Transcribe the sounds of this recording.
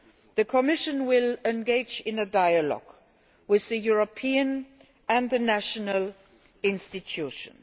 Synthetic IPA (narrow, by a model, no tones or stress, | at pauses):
ðɨkʰəmɪʃɨ̃nwɪlɛ̃nɡeɪd͡ʒɪ̃nədaɪəlɔ̰ɡ̥ | wɪððɨjuɹəpʰĩɨ̃n | ɨ̃nðɨnæʃənəlˠ | ɪ̃nstɨtʰuʃə̰̃n